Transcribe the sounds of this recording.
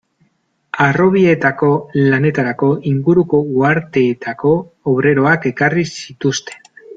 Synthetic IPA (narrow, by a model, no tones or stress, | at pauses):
aro̞β̞ie̞t̪ako̞lane̞t̪aɾako̞ʔiŋɡuɾuko̞uaɾt̪e̞ːt̪ako̞ | oβɾe̞ɾo̞ake̞karisit̪ust̪e̞̥n